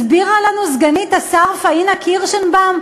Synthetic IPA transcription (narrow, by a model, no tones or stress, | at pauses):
sbiʁalanuzɡanit̪asaʁfainakʰiʁʃenbam